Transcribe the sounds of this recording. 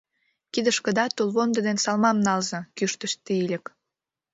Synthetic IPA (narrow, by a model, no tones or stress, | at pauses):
kid̪ə̆ʃkə̆d̪ɑt̪olβond̪ə̆d̪ensɑlmɑmnɑlzɤ̆kyʃt̪ə̆ʃt̪iilʲə̆k